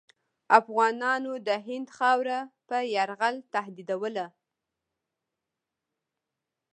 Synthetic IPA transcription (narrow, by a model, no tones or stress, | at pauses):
afɣɑnɑnod̪əɦɪnd̪xɑwɾapəjaɾɣalt̪ahd̪id̪awəla